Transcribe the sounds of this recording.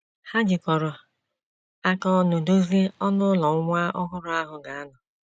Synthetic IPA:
ha˦d͡ʒɪ˨kɔ˨ɾʊ˨ | a˦kɔ˦no˨do˦zi˦ɔ˦nʊ˦lɔ˨˦ŋʷa˦ʔɔ˦ɦʊ˦ɾʊ˦a˦ɦʊ˨ɡa˨a˦nʊ˨

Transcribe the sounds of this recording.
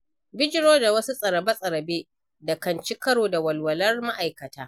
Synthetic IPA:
bɪ˦d͡ʒɪ˦ɽoː˦da˨wɐ˦su˦sʼɐ˨ɾɐ˨bɐ˦sʼɐ˨ɾɐ˨beː˦ | da˨kɐ˨nt͡ʃi˦kɐ˦ɽoː˨da˨wɐ˨lwɐ˨lɐ˦rma˦ʔa˨jkɐ˨taː˦

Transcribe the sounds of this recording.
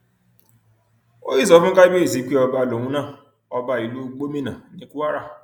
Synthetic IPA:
o˦i˦˨sɔ˨˦fũ˦ka˦bi˦e˦˨zi˨˦k͡pɔ˧ba˧˨lo˨wũ˦nãː˦˨ | ɔ˧ba˧˨i˨lu˦ɡ͡bo˦mĩ˦˨nã˨nĩ˦ku˦a˦ɾa˦˨

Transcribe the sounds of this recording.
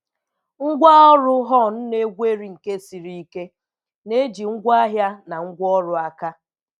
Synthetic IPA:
ŋ̩˦ɡʷa˦ɔ˦ɾʊ˦ɦɔ˦˨n̩˦ne˦ɡʷe˦ɾi˨ŋ̩˨ke˦si˨ɾi˦i˦ke˦ | ne˦d͡ʒi˨ŋ̩˦ɡʷa˦ɦja˦na˨ŋ̩˦ɡʷɔ˦ɾʊ˨a˦ka˦

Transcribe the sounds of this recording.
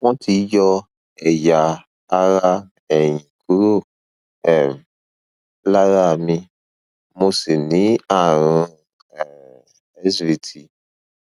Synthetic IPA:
wɔ̃˦tʰi˨˦jɔ˧ | ɛ˨ja˨ | a˧ɾa˦ | ɛ˨j̃ĩ˨kʰu˨˦ɾo˦˨ | ɛ˨m˨ | la˦ɾa˦˨mĩ˧ | mo˧se˨nĩ˨˦a˦˨ɾ̃ũ˧˨ | ɛ˦svi˧tʰi˧

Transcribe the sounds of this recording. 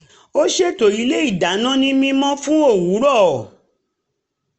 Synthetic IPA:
o˦ʃe˦˨to˨ɾi˨˦le˦i˦˨da˨˦nã˦nĩ˦mĩ˧mɔ̃˦fũ˦o˦˨wũ˨˦ɾɔ˦˨

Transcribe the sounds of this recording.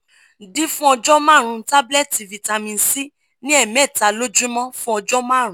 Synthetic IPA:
di˦fũ˦ɔ˧d͡ʒɔ˦mãː˦˨ɾ̃ũ˧˦ta˦blɛ˦˨ti˨vi˨ta˧mĩ˧n̩˨si˦ | nĩ˦ɛ˦˨mɛ˦˨ta˨˧lo˦d͡ʒũ˦mɔ̃˦fũ˦ɔ˧d͡ʒɔ˦mãː˦˨ɾ̃ũ˦

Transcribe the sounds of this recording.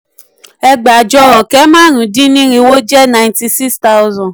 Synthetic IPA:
ɛ˦ɡ͡ba˨d͡ʒɔ˦lɔ˨kɛ˦mã˦nũ˨dĩ˦nĩ˦ɾi˧wo˦d͡ʒɛ˦na˨jnti˧si˦ksta˦ʊ˦zɔ̃˨

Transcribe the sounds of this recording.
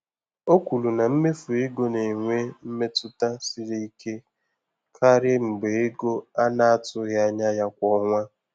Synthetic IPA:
o˦kʷu˨lu˨na˨m̩˦me˦fu˨e˦ɡo˦ne˨ŋʷe˦m̩˦me˦tʊ˦ta˦si˦ɾi˦i˦ke˦ | kʰa˦ɾɪ˦m̩˨ɡ͡be˨e˦ɡo˦a˦na˦a˦tʊ˦ɣa˦ɲa˦ja˦kʷɔ˦ŋʷa˦

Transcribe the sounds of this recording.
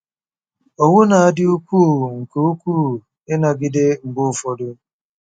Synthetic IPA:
o˨ŋʊ˦na˨a˦dɪ˦u˦kʷuː˦˨ŋ̩˨ke˦u˦kʷuː˦˨ | ɪ˦na˨ɡɪ˦dɪ˦ŋ͡m̩˨ɡ͡bʊ˦˨fɔ˦dʊ˦

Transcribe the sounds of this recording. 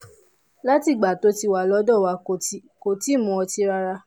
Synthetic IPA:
la˦ti˦˨ɡ͡ba˨to˨˦ti˧wa˨lɔ˨˦dɔ˦˨wa˨˧ko˨ti˦ | ko˨ti˨˦˨mũ˨˧ɔ˧ti˦ɾa˧ɾa˧

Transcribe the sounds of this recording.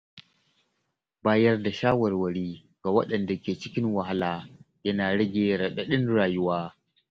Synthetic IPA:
baː˦jɐ˦rda˨ʃaː˦wɐ˨rwɐ˨ɽiː˦ | ɡ̥a˨wɐ̰˦ɗɐ˨nda˨kʲeː˨t͡ʃɪ˦kʲɪ˦nwa˨ɦa˦laː˨ | jɐ˦naː˨ɽɐ˦ɡʲeː˨ɽɐ˨ɓe˨ɗɪ˦nɾaː˨ju˦waː˦

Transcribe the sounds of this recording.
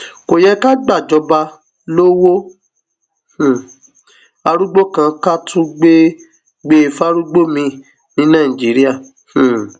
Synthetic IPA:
ko˨jɛ˧ka˦ɡ͡ba˦˨d͡ʒɔ˨˧˦ba˧ | lo˦wo˦ | h̩˦˨ | a˧ɾu˦ɡ͡bo˦kã˧ka˦tʰũ˦ɡ͡be˦ | ɡ͡be˦˧fa˦ɾu˦ɡ͡bo˦mĩ˧ | nĩ˧˦nã˦˨ĩ˨d͡ʒi˨˦ɾi˦a˦˨ | h̩˦˨

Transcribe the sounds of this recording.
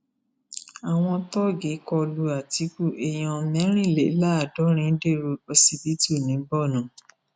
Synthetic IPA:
a˨w̃ɔ̃˧tɔ˦ɡe˨˦kɔ˧lu˧a˨ti˨˧˦ku˦ʔe˨j̃ɔ̃˧mɛ̃˨˦ɾ̃ĩ˦˨le˨˦la˦a˨dɔ˨˦ɾ̃ĩ˧˦n̩˦de˦˨ɾo˧ɔ˧si˧bi˨˦to˦˨nĩ˨˦bɔ˦˨nã˨

